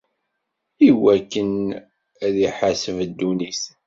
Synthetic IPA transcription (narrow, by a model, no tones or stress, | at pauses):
iwækːən | æðiħasəvd̪ːunis